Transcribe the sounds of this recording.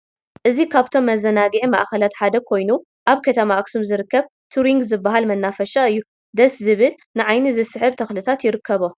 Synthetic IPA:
ʔɨzikʰaβt̪ʰo̞mːɐzɐnaɡiʕimaʔxɐlat̪ħad̪ɐkʰo̞jnu | ʔaβkʰɐt̪ʰɐmaʔksumzɨɾɨkːɐβ | t̪ʰuɾiŋɡzɨbːaɦalmɐnːafɐʃaɨjːu | d̪ɐszɨβɨl | nɨʕajnɨzɨsɨħɨβt̪ʰɐxlɨt̪ʰat̪jɪɾɨkʰːɐβo

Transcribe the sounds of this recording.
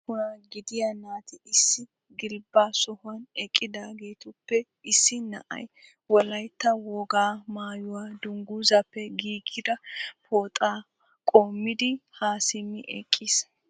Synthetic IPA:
kʊnɐɡɪd̪ɪjanaːt̪ɪɪsːɪ | ɡɪlbːaːsɔhʊwɐnɛkʼːɪd̪aːɡe̞ːt̪ʊpːɛ | ɪsːɪnɐ̰ʔɐ̰j | wɔlɐjt̪ːɐwoːɡaːmaːjʊwaːd̪ʊŋɡuːzɐpːɛɡiːɡɪd̪ɐpʰoːt̪ʼaː | kʼoːmːɪd̪ɪhaːsɪmːɪʔɛ̰kʼːiːs

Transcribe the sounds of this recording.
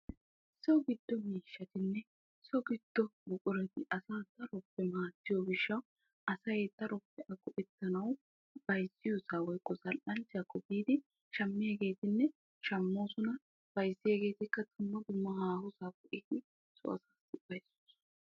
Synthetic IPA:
sɔɡɪd̪ːɔmiːʃːɐt̪ɪnːɛ | sɔɡɪd̪̥ːɔbʊkʼʊɾɛt̪ɪʔɐsaːt̪ɐɾɔpːɛmaːt̪ːɪjoɡɪʃːɐw | ʔɐsɐjet̪ːɐɾɔpːɛʔɐɡʼʊʔɛt̪ːɐnɐw | b̥ɐjzːɪjosaːwɔjkʼːɔzɐlʔɐlt͡ʃɐkʼɔbiːd̪ɪ | ʃɐmːɪjeɡe̞ːt̪ɪnːɛ | ʃɐmːo̞ːsʊnɐ | b̥ɐjzːɪjɐɡe̞ːt̪ɪkːɐt̪ʰʊmːɐd̪ʊmːɐhaːhʊsaːkɔʔɪd̪ɪ | sʊ̰ʔɐ̰saːsɪb̥ɐjsʊ̥ːs

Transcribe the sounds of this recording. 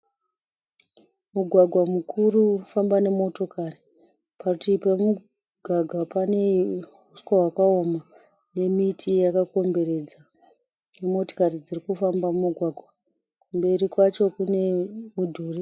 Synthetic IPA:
muɡʱwaɡʱwamukʰurufambane̞mo̞to̞kari | pakutipamu | ɡʱaɡʱapane̞ɦuskaɦwakaoma | ne̞mitʰijakako̞mbe̞ɾe̞d͡za | nemo̞to̥karid͡zirikufambamumuɡʱwaɡʱwa | kumbe̞ɾikwat͡ʃo̞kune̞mudʱuːri

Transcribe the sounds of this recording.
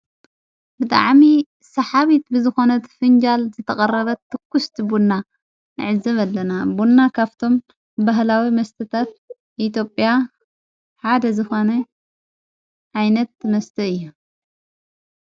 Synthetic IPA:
bɨt̪ʼa̰ʕmi | sɐħaβit̪bɨzɨxo̞nɐt̪fɨnd͡ʒalzɨt̪ʰɐkʼɐrɐβɐt̪ʰːɨkːust̪ʰbunːa | nɨʕɨzɐβɐlːɐnabunːakʰaβt̪ʰo̞m | baɦlawimɐst̪ʰɐt̪ʰat̪̚ | ʔit̪jo̞pʼja | ħad̪ɐzɨxo̞nɐ | ʕajnɐt̪̚mɐst̪ʰɐɨjːu

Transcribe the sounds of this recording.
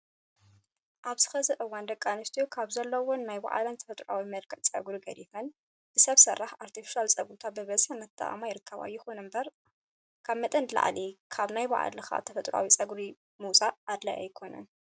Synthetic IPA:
ʔaβzɨ̥xɐzɨʔɨwːand̪ɐkʼːanɨst̪ʰijokʰaβzɐlːɐwonnajba̰ʕa̰lɐnt̪ʰɐ̥fɐt̪ʼɾa̰wimɐlkʰɐt͡sʼɐ̰ɡɾiɡɐɾifɐn | b̥ɨsɐβsɐrːaħaɾt̪ʰifi̥ʃalt͡sʼɐɡɾut̪ʰat̪bɨβɐzħanɐt̪ʰʼːa̰ʔa̰majɪɾɨkʰːɐβa̰jɪxonɨmbɐɾ | kʰaβmɐt̪ʼɐnd̪la̰ʕlikʰaβnajba̰ʕa̰lɨxa̰t̪ʰɐfɐt̪ʼɾa̰wit͡sʼɐɡɾi | musʼaʔːd̪lɐ̰ʔa̰jkʰo̞nɐ̰n

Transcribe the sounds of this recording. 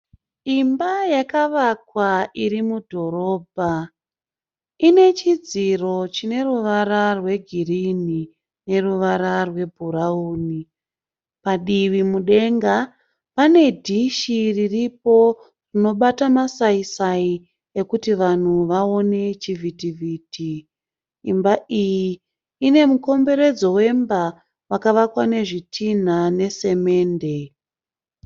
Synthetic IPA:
imbajakaʋakwaiɾimudʱo̞ɾo̞ːbʱa | ine̞t͡ʃid͡ziro̞t͡ʃine̞ruʋaɾarwe̞ɡʱirini | ne̞ruʋaɾarwe̞bʱuɾauːni | paɗiʋimuɗe̞ŋɡa | pane̞dʱiʃiririp̚o̞ | rino̞ɓatamasaisai | e̞kutiʋan̤uʋao̞ne̞t͡ʃivʱitivʱiːtʰiː | mbaijiː | ne̞muko̞mbe̞ɾe̞d͡zo̞we̞mba | wakaʋakwane̞ʐitʰin̤ane̞se̞me̞ːnde̞

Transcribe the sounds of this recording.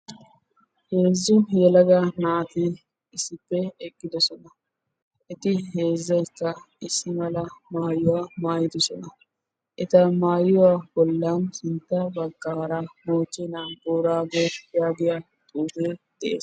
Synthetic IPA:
he̞ːzːʊjɛlɐɡɐnaːt̪iːn | ɪsːɪpːɛɛkʼːɪd̪ɔsɔnɐ | ʔɪt̪ɪhe̞ːzːɐjkːɐ | ɪsːɪmɐlɐmaːjʊwaːmaːjɪd̪ɔsɔnɐ | ʔɪt̪ɐmaːjʊwaːbɔlːanhɪnt̪ːɐbɐkːaːɾɐmoːt͡ʃːɛnaːnboːɾaːɡojaːɡɪjɐ | t̪ʼuːd̪eːd̪̥ɛʔḛːs

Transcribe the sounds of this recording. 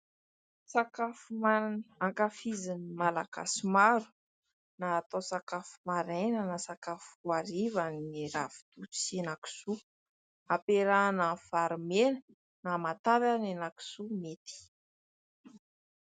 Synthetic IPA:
sakafumaaŋkafizinimalaɡa̰simaɾu̥ | naːt̪osakafu̥maɾejnənasakafaɾivaniɾavi̥t̪ut͡senaki̥su | apeɾanafaɾmenə̥ | namat̪avanenaki̥sumet̪i̥

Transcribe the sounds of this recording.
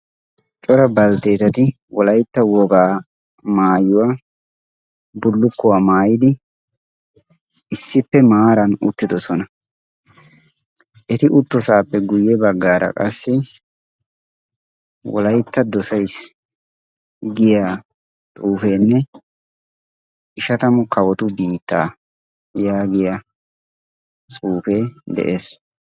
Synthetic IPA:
t͡ʃʼɔɾɐbɐlt̪e̞ːt̪ɐt̪ɪ | wɔlɐjt̪ːɐwɔɡaː | maːjʊwaː | bʊlːʊkːʊwaːmaːjɪd̪ɪ | ɪsːɪpːɛmaːɾɐnʊ̰t̪ːɪd̪ɔsɔnɐ | ʔɛt̪ɪʔʊt̪ːɔsaːpːɛɡʊjːɛbɐɡːaːɾɐ̰kʼɐsːɪ | wɔ̰lɐjt̪ːɐd̪ɔsɐjs | ɡɪjaː | t̪ʼuːfeːnːɛ | ɪʃɐt̪ɐmʊkɐwɔt̪ʊbiːt̪ːa̰ː | jaːɡɪja | t͡sʼuːfeːd̪ɛ̰ʔe̞ːs

